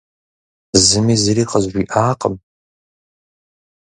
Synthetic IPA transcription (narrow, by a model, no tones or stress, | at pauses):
zɨmizɨɾiːqəʒʒʷiʔaːqʼəm